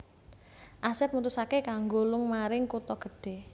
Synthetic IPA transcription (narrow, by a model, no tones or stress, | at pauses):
ʔasɪp̚mut̪usakekaŋɡolʊŋmaɾɪŋkut̪ɔɡ̥əɖ̥e̤